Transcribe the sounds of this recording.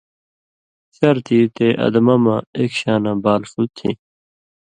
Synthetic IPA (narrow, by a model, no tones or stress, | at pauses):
t͡ɕɐɾt̪ʰiːt̪eːʔɐ̰d̪ɐmamãekɕaːnãːbaːlfut̪ʰːḭ̃